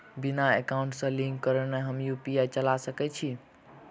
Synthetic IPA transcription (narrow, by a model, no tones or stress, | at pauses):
binaekauɳʈsə̃liŋɡkəɾəneɦəmjupijat͡ʃəlasəkɛt͡ʃʰi